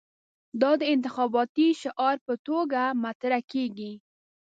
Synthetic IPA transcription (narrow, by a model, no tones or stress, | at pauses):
d̪ɑd̪əɪnt̪ɪxɑbɑt̪iʃɪʔɑɾpət̪oɡamat̪ɾakeɡi